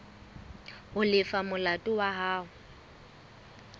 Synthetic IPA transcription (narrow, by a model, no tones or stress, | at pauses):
hʊlɪfamʊlatʼʊwaɦaːɦʊ